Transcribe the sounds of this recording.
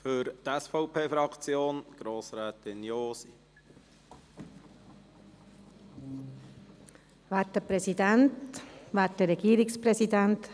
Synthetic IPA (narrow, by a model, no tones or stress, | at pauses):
føɾt̪ɛsfɔʊpʰeːfɾɑkt͡sjoːnɡ̥ɾoːsɾɛːt̪ɪnjoːsi | ʋaːtːəpɾɛsidɛntʋaːt̚dəɾɛɡiːɾɪkspɾɛsidænt̪